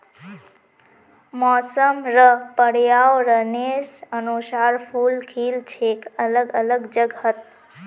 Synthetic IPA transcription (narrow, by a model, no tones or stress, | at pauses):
mɔːsəmɾəpəɽjaːwɾəneɾənusaːɾpʰuːlkʰiːlt͡ʃʰeːkələɡələɡd͡ʒəɡət̪̚